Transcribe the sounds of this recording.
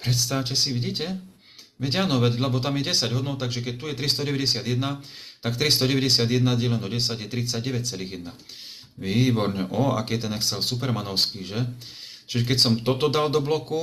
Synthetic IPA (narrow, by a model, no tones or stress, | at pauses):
pɾɛt̪st̪aʋcɛsiʋiɟiːcɛ | ʋɛɟanɔʋɛɟlɛbɔt̪amjɛɟɛsaɟɦɔd̪nɔʊt̪aɡʒɛkɛc̚t̪ujɛt̪ɾist̪ɔɟɛʋɛɟɛsɪad̪jɛd̪nat̪akt̪ɾist̪ɔɟɛʋɛɟɛsɪad̪jɛd̪nad̪jɛlɛnɔɟɛsaɟjɛt̪ɾit͡saɟɟɛʋɛc̚t͡sɛliːɣjɛd̪na | ʋiːbɔɾɲɛʔɔa̰kiːɛt̪ɛnɛxt͡sɛlsupɛɾmanɔʊskiːʒɛ | t͡ʃiʒɛkɛcsɔmt̪ɔt̪ɔd̪ald̪ɔblɔku